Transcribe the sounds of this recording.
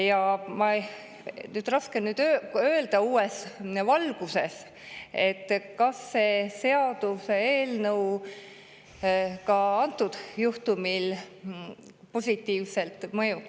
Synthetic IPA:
jɑmɑ | nyːd̪̥rɑskenyːd̪øøːld̪̥ɑuːesvɑlɡ̥use̞s | e̞t̪ːˑkɑsːe̞se̞ɑd̪̥useeːlnɤw | kɑɑnt̪ːˑud̪̥juht̪umil | po̞sʲit̪ːiːvselt̪ːˑmɤju

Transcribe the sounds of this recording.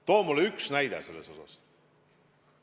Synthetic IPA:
t̪o̞ːmuleyksnæjd̪̥ḛse̞lːe̞̰so̞sɑ̰s

